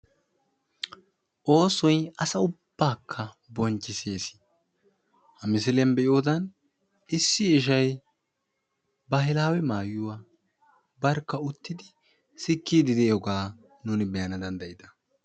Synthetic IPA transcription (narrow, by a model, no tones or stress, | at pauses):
ʔo̞ːsɔjɐsɐʊb̥ːaːkʰːɐ | bɔnt͡ʃːɪse̞ːsɪ̥ | hɐmɪs̬ɪlɛmbɛʔjjoːd̪ɐn | ɪsːɪːʃ̬ɐj | bɐɦɪlaːwɛmaːjːʊwa | bɐɾkːɐʊt̪ːɪd̪ɪ | sɪkːiːd̪ɪd̪ɛjɔɡaː | nuːnɪbɛjɐnɐd̪ɐnd̪ɐjɪd̪ɐ̥